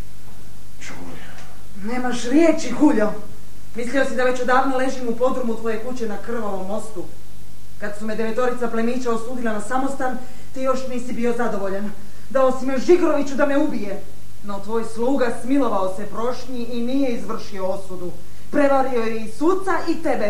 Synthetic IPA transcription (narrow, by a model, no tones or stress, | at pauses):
t͡ʃu | ne̞ːmaʃɾjet͡ɕixuʎo | mislio̞sid̪aʋe̞t͡ɕod̪aːʋnole̞ʒimupo̞d̪ɾumut̪ʋo̞je̞kut͡ɕe̞nakr̩ʋoʋo̞mːo̞st̪u | kad̪sumed̪e̞ʋe̞t̪o̞ɾit̪saplemiːt͡ɕaosuːd̪ilˠanasamo̞st̪an | t̪ijo̞ʃniːsibio̞zad̪o̞ʋo̞ʎan | d̪aosimeʒikɾo̞ʋit͡ɕud̪ame̞ubije̞ | no̞t̪ʋo̞ːjslˠuːɡasmilo̞ʋao̞se̞pɾo̞ʃɲiʔinije̞izʋr̩ʃio̞osud̪u | pɾe̞ʋaɾio̞jeisut̪saʔit̪e̞be̞